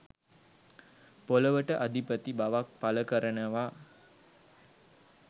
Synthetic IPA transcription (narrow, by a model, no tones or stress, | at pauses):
poləʋəʈəʔad̪ipət̪ibaʋak̚paləkəɾənəʋa